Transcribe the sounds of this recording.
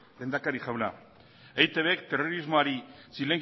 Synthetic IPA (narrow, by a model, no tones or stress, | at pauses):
lend̪akaɾixawla | ejt̪e̞βeekt̪e̞ro̞ɾizmoaɾisile̞ŋ